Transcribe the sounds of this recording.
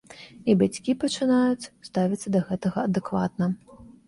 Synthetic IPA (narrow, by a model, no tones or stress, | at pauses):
ibat͡sʲkʲipɐt͡ʂɨnajut͡sʲst̪avʲit̪sɐd̪ɐɣɛt̪ɐɣɐːd̪ɨkva̰t̪nɐ